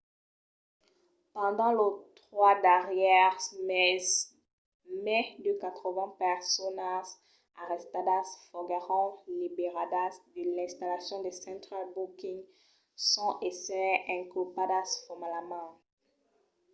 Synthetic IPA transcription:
pɑ̃d̪ɑ̃lot̪χwad̪aʁjɛʁmɛz | mɛd̪əkat̪χəvɛ̃pɛʁsɔnas | aʁɛst̪ad̪asfɔɡaʁɑ̃libeʁad̪asd̪əlɛ̃st̪alasjɔ̃d̪esɑ̃t̪χalbukĩŋɡ | sɔ̃ʔesɛɛ̃kupadasfɔmalamɑ̃

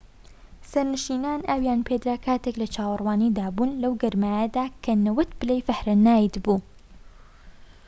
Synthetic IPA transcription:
sɐɾnɨʃiːnaːnʔaːwjaːnpʰed̪ɾaːkʰaːt̪eklɐt͡ʃʰaːwɨrwaːniːd̪aːbuːnlɐwɡɐɾmaːjɐd̪aːkʰɐnɐwɐt̪bɨlejfɐhɾɨnːaːjt̪buː

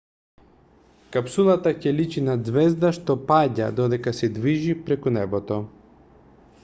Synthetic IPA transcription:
kapsulˠat̪acɛlit͡ʃinad̪zvɛzd̪aʃt̪ɔpaɟa̰d̪ɔd̪ɛkasɛd̪viʒipɾɛkunɛbɔt̪ɔ

